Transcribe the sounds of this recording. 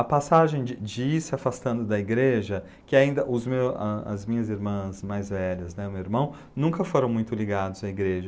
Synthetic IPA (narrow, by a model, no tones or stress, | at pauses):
ɐpasaʒẽj̃d͡ʒɪd͡ʒɪiɾsɪafast̪ɐ̃nd̪ʊd̪ɐiɡɾeʒɐ | kɪaĩnd̪ɐʔʊzmewɐɐ̰zmĩɲɐziɾmɐ̃zmajzvɛʎɐznɛʊmewiɾmɐ̃w̃ | nũkɐfoɾɐ̃w̃mũj̃t̪ʊliɡad̪ʊzɐiɡɾeʒɐ